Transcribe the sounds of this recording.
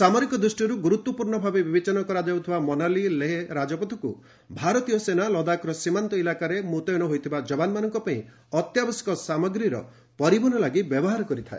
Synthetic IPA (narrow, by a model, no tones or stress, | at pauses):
samɔɾikɔd̪ɾusʈiɾuɡuɾut̪wɔpuɾɳɔbʱabebibet͡ʃanɔkɔɾad͡ʒ̪awt̪ʰibamɔnalileɦeɾad͡ʒɔpɔt̪ʰɔkṵ | bʱaɾɔt̪ijɔsenalɔd̪akɔɾɔsimant̪ɔilakaɾemut̪ɔjɔnɔɦojt̪ʰibad͡ʒɔbanmanɔŋkɔpaĩ | ɔt̪jabɔsi̥kɔsamɔɡɾiɾɔ̰ | pɔɾibɔnɔlaɡibjɔbɔɦaɾɔkɔɾit̪ʰae